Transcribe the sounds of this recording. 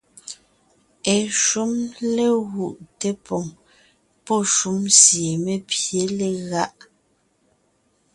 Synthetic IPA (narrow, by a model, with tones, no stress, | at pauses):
ɛ˨ʃu˦mle˦ɣu˨ʔte˦pɔ˨ŋ | pɔ˦ʃu˨˦msje˨me˦pje˨˦le˨ɣa˦ʔ